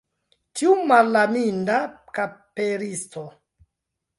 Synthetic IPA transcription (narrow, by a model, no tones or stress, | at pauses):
tiumalːamindakapeɾisto